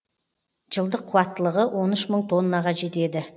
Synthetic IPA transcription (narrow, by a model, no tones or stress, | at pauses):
ʒəlˠd̪əqʰːuwɑt̪ːəlˠəʁəwʔo̞nʏʃməɴt̪ʰo̞nːɑʁɑʒe̞t̪e̞d̪ɪ